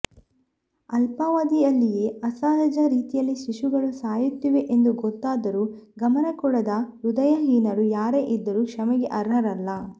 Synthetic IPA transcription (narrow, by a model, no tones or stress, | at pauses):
ɐlpɐʋaːd̪iɐlːije̞ːɐsaːɾɐd͡ʒɐɾiːt̪ijɐlːiʃiʃuɡɐɭusaːjut̪ːiʋe̞ʔend̪uɡɔt̪ːaːd̪ɐɾuː | ɡɐmɐnɐkɔɽɐd̪ɐɾud̪ɐjɐɦiːnɐɾujaːɾeʔid̪ːɐɾuːkʂɐmɐɡeʔɐɾɦɐɾɐlːɐ